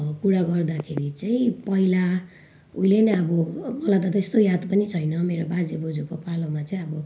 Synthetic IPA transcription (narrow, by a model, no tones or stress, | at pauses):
kuɽaɡʌrd̪akʰeɾit͡saĩpʌila | uileneʌbʌmʌlajt̪ʌt̪est̪ojad̪pʌnit͡sʰʌjnʌmeɾobad͡zebod͡zukopalomat͡sʌĩʌbʌ